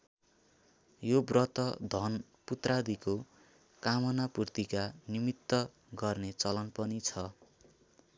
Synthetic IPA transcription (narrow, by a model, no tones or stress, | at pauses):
jobrʌt̪ʌd̪ʱʌn | put̪rad̪iko | kamʌnapurt̪ikanimit̪ːʌ | ɡʌrnet͡sʌlʌnpʌnit͡sʰʌ